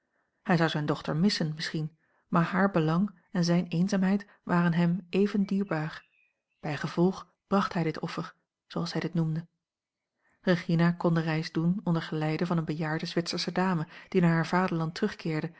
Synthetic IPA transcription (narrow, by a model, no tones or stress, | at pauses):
hɛjzɑwzɛjndɔχtə̰ɹmɪsənmɪsχin | maːɹɦaːɹbəlɑŋ | ɛnzɛjnejnzaːmɦɛjt | ʋaːʁənɦɛmejvəndiːɹbaːɹ | b̥ɛjχəv̥ɔlˠχ | b̥rɑχtɦɛjdɪtɔfəɹ | zowɑlˠshɛjdɪtnumdə | reχinakɔndərɛjzdunɔndəɹχəlɛjdəvɑnənbəjaːɹdəzʋɪtsəɹsədaːməd̥inaːɹɦaːɹvaːdəɹlɑntʁɵχkɪːɹdə